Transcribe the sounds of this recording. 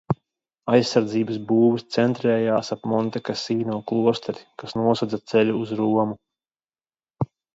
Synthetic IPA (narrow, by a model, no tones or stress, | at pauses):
ajsːaɾd̪ziːbəs̬buːvɨst̪sɛnt̪ɾɛːjaːsapmɔnt̪ɛkasiːnuːklˠuɔst̪aɾʲikasnuɔsad̪zat̪sɛlʲuːzɾuɔmu